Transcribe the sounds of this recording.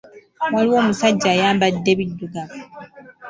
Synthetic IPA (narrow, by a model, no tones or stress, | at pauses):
waliwo̞ːmusaɟːaːjaːmbadːeβidːuɡaβa